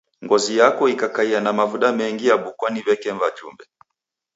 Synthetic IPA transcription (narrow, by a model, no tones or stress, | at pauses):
ŋɡɔzijakɔikakaianamavuɗamɛŋɡijaɓukwaniβɛkɛɱvad͡ʒṵmbɛ